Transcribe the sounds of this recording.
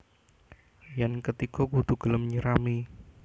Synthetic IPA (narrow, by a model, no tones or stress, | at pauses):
jankət̪ikɔkud̪̥uɡ̥ələmɲəɾami